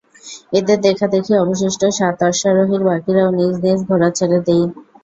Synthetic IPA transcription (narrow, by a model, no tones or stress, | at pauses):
ed̪eɾd̪ɛkʰad̪ekʰiɔboʃ̬iʃʈoʃat̪aʃaɾoɦiɾbakiɾaonid͡ʑnes̬ɡʱoɾat͡ɕʰaɾed̪ej